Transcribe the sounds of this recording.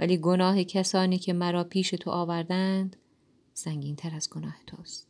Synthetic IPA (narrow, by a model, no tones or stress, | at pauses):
væ̰liːɡo̞nɒːɦe̞cʰæsɒːniːcʰemæɾɒːpʰiːʃe̞t̪ʰo̰ʔɒːvæɾd̪ænd̪̥ | sæŋɟiːnt̪ʰæɾæzɡonɒːhet̪ʰoːst̪